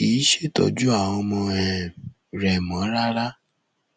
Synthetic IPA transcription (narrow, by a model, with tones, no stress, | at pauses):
i˨˦ʃe˦˨tɔ̰˨d͡ʒu˦a˦˨w̃ɔ̃˧mɔ̃˧ɛ˨ | ɾɛ˨mɔ̃˨˦ɾa˦ɾa˦